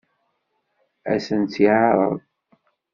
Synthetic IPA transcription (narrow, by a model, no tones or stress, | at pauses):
æ̰sənt͡s̪ːiʕɑɾˤə̰ðˤ